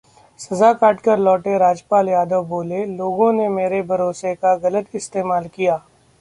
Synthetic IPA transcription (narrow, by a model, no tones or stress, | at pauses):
sɐzakaːʈkəɾlɔːʈeɾaːd͡ʒpaːljaːd̪əʋboːleloːɡõnemeːɾebʱɐɾoːsekaɣɐlət̪ɪst̪eːmaːlkijaː